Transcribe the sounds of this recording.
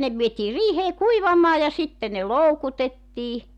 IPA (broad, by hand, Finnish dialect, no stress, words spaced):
ne ʋietiː riːheː kuiʋɑmɑː jɑ sitːe ne loukutetːiː